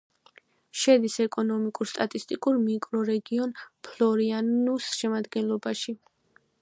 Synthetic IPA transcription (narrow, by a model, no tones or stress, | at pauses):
ʃɛd̪isɛkʼɔnɔmikʼuɾst̪ʼat̪ʼist̪ʼikʼuɾmikʼɾɔɾɛɡiɔnpʰlɔɾianusʃɛmad̪ɡɛnlˠɔbaʃi